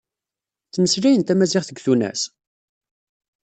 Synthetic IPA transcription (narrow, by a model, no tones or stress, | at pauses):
θməslæjənt̪æmæzɪʁθəɡθunæ̰s